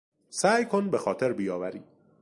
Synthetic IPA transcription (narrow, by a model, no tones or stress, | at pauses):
sæːjkʰonbexɒːt̪ʰeɾbijɒːvæɾiː